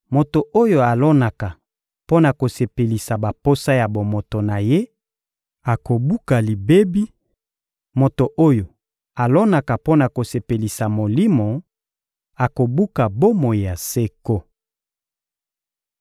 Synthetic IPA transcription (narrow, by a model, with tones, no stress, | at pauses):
mo˨to˨ʔo˦jo˨a˨lɔ˦na˨ka˨ | po˦na˨ko˨se˨pe˨li˨sa˨ba˨po˦sa˦ja˨bo˨mo˨to˨na˨je˦ | a˨ko˨bu˦ka˨li˨be˦bi˦ | mo˨to˨ʔo˦jo˨ | a˨lɔ˦na˨ka˨po˦na˨ko˨se˨pe˨li˨sa˨mo˨li˦mo˨ | a˨ko˨bu˦ka˨bo˦mo˨a˨se˦ko˦